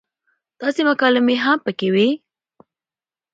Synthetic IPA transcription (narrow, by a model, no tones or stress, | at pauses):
t̪ɑseməkɑlɪmeɦampəkewi